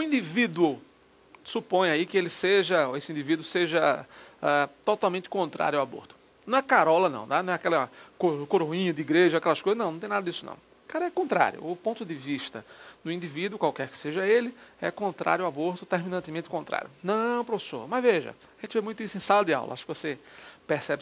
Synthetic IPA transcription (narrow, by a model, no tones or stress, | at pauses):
ʊĩd̪ivid̪wʊ | supõj̃aikɪelɪseʒɐoesɪĩnd̪ivid̪uʊseʒɐɛt̪ɔt̪awmẽnt̪ɪ̥kõnt̪ɾa̰ɾjʊawabo̰ɾt̪ʊ̥ | nɐ̃w̃ɛkaɾɔlɐnɐ̰̃w̃nanɐ̃ɛakɛlɐkokoɾoĩɲɐd̪ɪiɡɾeʒɐoakɛlɐskojznɐ̃w̃nɐ̃t̪ẽnad̪ɐd̪isʊnɐ̰̃w̃ | kaɾɐɛkõnt̪ɾa̰ɾjʊ̰ʊpõnt̪ʊd̪ɪviʃt̪ɐd̪ʊĩnd̪ivid̪wʊkwawkɛɾkɪ̥seʒɐelɪɛkõnt̪ɾa̰ɾjʊawaboɾt̪ʊt̪eɾmĩnɐ̃nt̪ɪmẽnt̪ɪ̥kõt̪ɾa̰ɾjʊnɐ̃pɾofe̥so̰ɾmɐzveʒɐ̰aʒẽt̪ɪvemũj̃t̪ʊisʊẽj̃salɐd̪ɪa̰wlɐ̰aʃʊkɪvosepeɾsɛbɪ